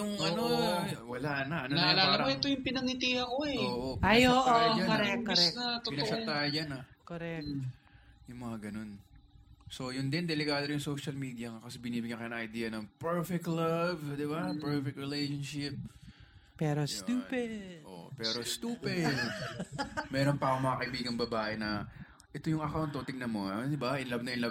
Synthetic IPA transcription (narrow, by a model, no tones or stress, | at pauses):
jʊŋɐnowɐlanɐʔɐnonaɐlalɐoɛt̪ojʊŋpɪnɐŋɪt̪iɐkoɛoːʔopajoːʔoakoɾɛkːɾɛnɐt̪opɪnɐɐt̪ajd͡ʒanakoɾɛ | jʊŋmɐŋaɡɐno̞n | so̞jʊnd̪ɪnd̪ɛlɪkaːd̪ojʊŋsowʃɐlmiːd̪jɐŋakɐsɛbɪniːbɪɡ̚ɲakɐjʊnɐ̃ŋʔɐjd̪iːɐnɐŋpɛɹfɛk̚t̪lɐvd̪ɪbapɛɹfɛk̚t̪ɹɛlejʃonʃɪp̚pɛɾosuːɛddʔo̰pɛːɾo̞st̪uːpɪd̪ | mɛːɾonpɐakoŋmɐŋakɐʔɪbiːɡɐŋbɐbaːʔɛnɐ | ʔɛt̪ojʊŋʔɐkawnt̪ːot̪ɪŋnɐnmoɐd̪ɪbaʔɪnlɐbnɐɪnlɐb